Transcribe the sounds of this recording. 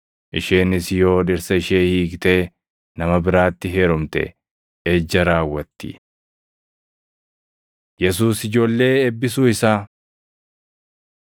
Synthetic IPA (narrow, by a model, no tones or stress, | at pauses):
ʔɪʃeːnɪsjo̞ːᶑɪɾsɐɪʃeːhiːkt̪eː | nɐmɐbɪɾaːt̪ːɪɦeːɾʊmt̪ɛ̰ | eːd͡ʒːɐɾaːwːɐt̪ːɪ̰ | jɛs̬uːsɪd͡ʒo̞ːlːe̞ːɛbːɪsuːɪsaː